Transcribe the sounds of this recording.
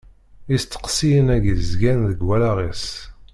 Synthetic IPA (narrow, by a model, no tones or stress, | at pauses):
ist͡s̪ːə̥qsijənæɡiðəzɡænðəɡwælaʁis